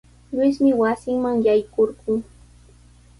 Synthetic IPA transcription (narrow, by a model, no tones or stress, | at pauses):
ʎɪsmɪwasɪŋmaŋjajkoɾɢʊː